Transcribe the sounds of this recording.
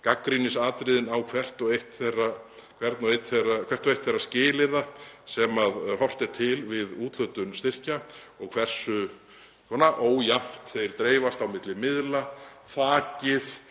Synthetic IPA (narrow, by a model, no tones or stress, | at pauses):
kakːɾinɪsaːt̪ɾɪðɪnawkʰvɛr̥t̪ɔɣejht̪θejrakʰvɛɾt̪nɔejt̪θejrakʰvɛr̥t̪ɔejht̪θejrːascɪːlɪɾðasɛmaðhɔr̥t̪ɪɾ̥t̪ʰɪlvɪðuːt̪l̥œt̪ʏnst̪ɪr̥ca | ɔɣkʰv̥ɛr̥sʏ | k̪ʰɔnaʔoːwjam̥t̪θejɾ̥t̪ɾeːjvast̪awmɪt̪lɪmɪðla | θaːcɪθ